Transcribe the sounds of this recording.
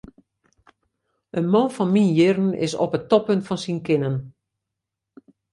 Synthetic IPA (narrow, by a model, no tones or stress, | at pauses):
ʔənmonfɔnminjɪrn̩ɪ̰sɔ̰pətɔpøntfɔnsinkɪnən